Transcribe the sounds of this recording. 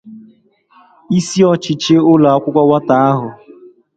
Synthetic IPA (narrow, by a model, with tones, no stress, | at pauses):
i˦si˦ɔ˨t͡ʃɪ˨t͡ʃe˦ʊ˦la˨a˦kʷʊ˦kʷa˦wa˦ta˨a˦ɦʊ˨